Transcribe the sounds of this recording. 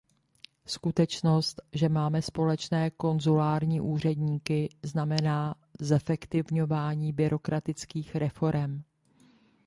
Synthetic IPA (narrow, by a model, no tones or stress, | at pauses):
skut̪ɛt͡ʃno̞st̪ʒɛmaːmɛspo̞lɛt͡ʃnɛːko̞nzulaːɾɲiːʔuːr̝ɛdɲiːkɪznamɛnaː | zɛfɛkt̪ɪvɲo̞vaːɲiːbɪɾʔo̞kɾʔat̪ɪt͡skiːxɾɛfo̞ɾɛm